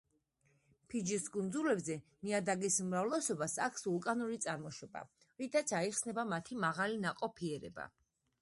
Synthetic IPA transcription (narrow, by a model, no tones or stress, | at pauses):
pʰid͡ʒisɡʼund̪zulɛbzɛniad̪aɡisumɾavlɛsɔbasa̰kʰsulˠkʼanuɾit̪sʼaɾmɔʃɔb̥a̰ | ɾit̪ʰat̪sʰaiχsnɛbamat̪ʰimaʁalinaqʼɔpʰiɛɾɛ̰ba̰